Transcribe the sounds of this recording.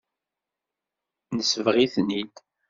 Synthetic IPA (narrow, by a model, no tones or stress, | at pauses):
nəsəvʁiθnid̪